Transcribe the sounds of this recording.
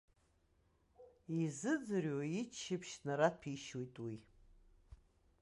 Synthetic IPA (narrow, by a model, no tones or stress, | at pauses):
izɨd͡zɨroit͡ʃʰːɪpʃnaɾapʰiʃwojtʼwi